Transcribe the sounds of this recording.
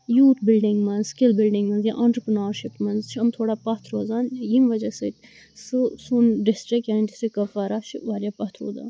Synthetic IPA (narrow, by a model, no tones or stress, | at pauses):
juːt̪ʰbɪlɖɪ̃ŋɡmɐnzskɪlbɪlɖɪŋɡmɐnzja̰ʔɐɳʈɾəpɾɐnaːɾʃipmɐnzt͡ʃʰiɐmt̪ʰoːɽaːpɐt̪ʰɾoːzaːnjimʋɐd͡ʒɐsɨt̪ʲ | sɨsunɖɪsʈɾɪkjaːniɖɪsʈɾɪkːɐfaːɾaːt͡ʃʰiʋaːɾʲjaːpɐt̪ʰɾo̰ːd̪a̰ːn